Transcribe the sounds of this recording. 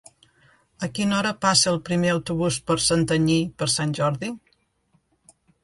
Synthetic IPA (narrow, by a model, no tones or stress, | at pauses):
əkinɔɾəpasəːlˠpɾimeəwt̪uβuspəɾsənt̪əɲipəɾsanʲʒɔɾði